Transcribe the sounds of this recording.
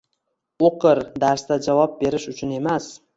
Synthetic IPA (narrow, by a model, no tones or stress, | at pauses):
oqɨɾd̪aɾst̪ad͡ʒavɒp̚be̞ɾɪʃʊt͡ʃʰʊne̞mas